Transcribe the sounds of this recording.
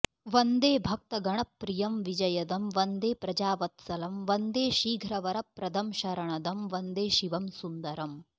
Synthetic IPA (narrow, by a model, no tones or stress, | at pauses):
ʋɐnd̪eːbʱɐk̚t̪ɐɡɐɳ̃ɐpːɾijɐmʋid͡ʒɐjɐd̪ɐmʋɐnd̪eːpɾɐd͡ʒaːʋɐt̪sɐlɐmʋɐnd̪eːʃiːɡʱɾɐʋɐɾɐpːɾɐd̪ɐmʃɐɾɐɳɐd̪ɐmʋɐnd̪eːʃiʋɐmsund̪ɐɾɐm